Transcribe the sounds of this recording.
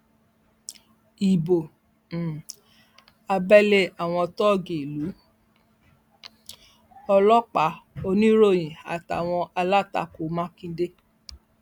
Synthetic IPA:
i˨bo˨ | a˧bɛ˦le˦a˨w̃ɔ̃˧tɔ˦˨ɡe˨i˨lu˨˦ | ɔ˧lɔ˦k͡pa˨˦o˧nĩ˦ɾo˦˨j̃ĩ˨a̰˨ta̰˨w̃ɔ̃˧ʔa˧la˦˨ta̰˧˨ko˨˦mã˦kĩ˧de˦

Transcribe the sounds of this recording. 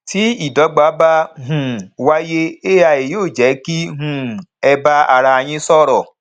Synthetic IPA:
ti˨˦i˦˨dɔ˨˦ɡ͡ba˨˦ba˦ɦũ˨wa˦je˦e˦a˧e˨joː˦˨d͡ʒɛ˨˦ki˦ɦũ˦˨ɛ˧ba˦a˧ɾa˧a˧j̃ĩ˦sɔ˦˨ɾɔ˨

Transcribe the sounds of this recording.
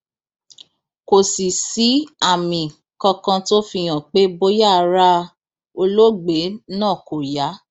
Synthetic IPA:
ko˨si˨si˨˦a˦˨mĩ˨ | kɔ˧kã˧to˦fi˧j̃ã˨k͡pe˦bo˦ja˦˨˧ɾa˦ | o˧lo˦ɡ͡be˨˦nãː˦˨ko˨ja˨˦

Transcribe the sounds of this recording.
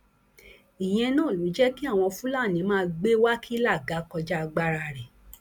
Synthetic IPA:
i˨j̃ɛ̃˧nãː˦˨lu˨˦d͡ʒɛ˦ki˦a˦˨w̃ɔ̃˧fũ˦la˦˨nĩ˨˦mãː˦˧ɡ͡be˦wa˦kʰi˦la˦˨ɡa˨˦kɔ˧d͡ʒa˦˧ɡ͡ba˦ɾa˧˨ɾɛ˨

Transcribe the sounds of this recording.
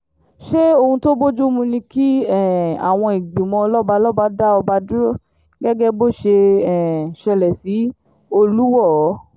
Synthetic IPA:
ʃe˦o˧hũ˧to˦bo˦d͡ʒu˦mũ˧nĩ˧ki˦ɛ˦˨a̰˨w̃ɔ̃˧i˨ɡ͡bi˨mɔ̃˧lɔ˦ba˧lɔ˦ba˧da˦ɔ˧ba˧du˦o˦ | ɡɛ˦ɡɛ˦bo˦˨ʃe˧ɛ˨ʃɛ˧lɛ˨si˨˦ | o˧lu˦wɔ˦˨˦

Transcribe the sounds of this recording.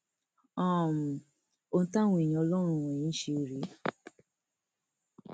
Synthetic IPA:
aɔ̃˦˨m̩˨ | o˧n̩˦ta˦wũ˧e˨jĩ˧ɔ˧lɔ˦ɾ̃ũ˧wɔ̃˨ĩ˦ʃe˧o˨ɾe˨˦

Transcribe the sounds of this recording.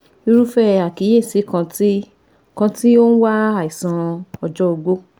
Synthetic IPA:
i˧˦ɾu˦fɛ˦a˨ki˨˦je˦˨se˨˦kã˧ti˦ | kã˧ti˦o˦ñ̩˦wa˦a˨i˨sã˧ɔ˨d͡ʒɔ˦o˧ɡ͡bo˦

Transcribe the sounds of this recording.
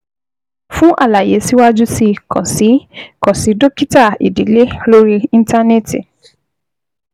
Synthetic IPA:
fũ˦ʔa̰˦˨la˨je˨˦si˦wa˦d͡ʒu˦si˧kɔ̰˨si˨˦kɔ˨si˨˦do˦ki˦ta˦˨ḭ˨di˨˦le˦lo˦ɾi˧ĩ˦n˦ta˦ne˦˨ti˨

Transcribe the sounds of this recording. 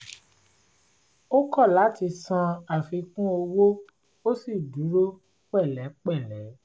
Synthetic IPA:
o˦kɔ˦˨la˨˦ti˧sã˧a˨fi˧kũ˦o˧wo˦ | o˦si˦˨du˨˦ɾo˦ | k͡pɛ˦˨lɛ˨˦k͡pɛ˦˨lɛ˨˦

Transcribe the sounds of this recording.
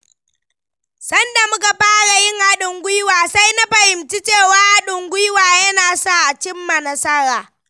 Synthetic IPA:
sɐ˦nda˨mʊ˦ka˨ɸaː˦ɽa˨jɪ˦ŋʔa˦ɗʊ˨ŋɡʷʊ˦jwaː˨sa˦jna˦ɸɐ˨hɪ˨mt͡ʃi˦t͡ʃeː˦˨waː˦ʔa˦ɗʊ˨ŋɡʷʊ˦jwaː˨jɐ˦naː˨saː˦ʔt͡ʃɪ˦mːa˨nɐ˦sɐ˦ɽaː˨

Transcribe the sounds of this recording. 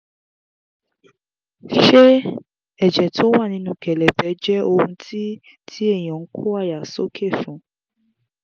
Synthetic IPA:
ʃe˦ | ɛ˨d͡ʒɛ˨tʰo˦wa˦˨nĩ˧˦nũ˧kɛ˨lɛ˨bɛ˨˦d͡ʒɛ˦o˧hũ˧tʰi˦ | tʰi˦ɛ˦˨j̃ɔ̃˨ŋ̩˦kʰo˦a˦˨ja˨so˦kʰe˦˨fũ˨˦

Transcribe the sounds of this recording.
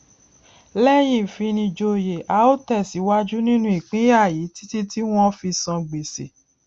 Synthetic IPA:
lɛ˦j̃ĩ˨fi˧nĩ˧d͡ʒo˧je˨ʔa˨˦o˦tɛ˦˨si˨˦wa˦d͡ʒu˦nĩ˦nũ˦i˦˨k͡pĩ˨˦ja˦˨ji˨˦ti̥˦ti˦ti˦w̃ɔ̃˦fi˧sɔ̃˧ɡ͡be˨se˨

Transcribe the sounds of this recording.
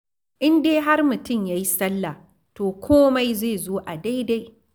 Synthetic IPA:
ʔɪ˦ndeː˦ɦa˦rmʊ˨tʊ˦˨mjaː˦ji˦sɐ˦lːa˨ | toː˨kʷʰoː˦ma˦jzeː˦˨zoː˦ʔa˨da˦jda˦j

